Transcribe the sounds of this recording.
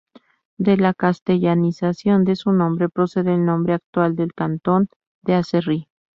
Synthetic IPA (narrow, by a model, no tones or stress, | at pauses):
d̪e̞lakast̪e̞ʝanisasjo̞nd̪e̞sunõ̞mbɾe̞pɾo̞se̞ðeːlnõ̞mbɾeak̚t̪wald̪e̞lkant̪o̞n | d̪easeri